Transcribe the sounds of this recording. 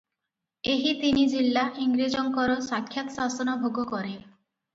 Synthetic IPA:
eɦit̪inid͡ʒilːaʔiŋɡɾid͡ʒɔŋkɔɾɔsakʰːjat̪ɔ̥sasɔnɔbʱoɡɔkɔɾe

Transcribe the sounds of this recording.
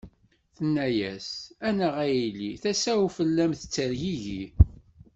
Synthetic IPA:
θənːæjæ̰sænəʁæjilːiθæsæwufəlːæmθə̥t͡sːəɾʝiʝi

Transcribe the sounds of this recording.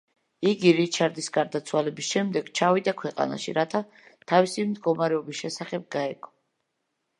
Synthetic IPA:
iɡiɾit͡ʃʰaɾd̪isɡaɾd̪at̪sʰwalɛbisʃɛmd̪ɛɡt͡ʃʰavid̪akʰwɛqʼa̰na̰ʃḭɾat̪ʰa | t̪ʰavisimd̪ɡɔmaɾɛɔbisʃɛsaχɛb̚ɡaɛɡʰʼɔ̥

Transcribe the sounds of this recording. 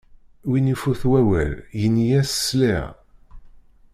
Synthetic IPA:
winifuθwæwæ̰ljənjæsə̥sliʁ

